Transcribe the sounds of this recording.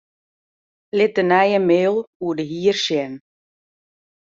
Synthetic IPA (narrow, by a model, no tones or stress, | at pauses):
lɪt̚dənɛjəmeːlˠuədəɦiːərʃjɛn